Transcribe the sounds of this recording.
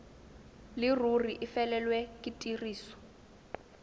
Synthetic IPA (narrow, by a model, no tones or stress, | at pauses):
lɪruriʔifɛlɛlwɛkʼitʼiriːsɔ̥